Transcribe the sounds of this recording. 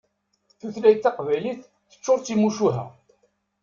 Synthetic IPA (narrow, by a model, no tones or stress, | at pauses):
θuθlæjt̪ːɑqvæjliθ | θə̥t͡ʃːoɾˤt͡sːimuʃuɦæ̰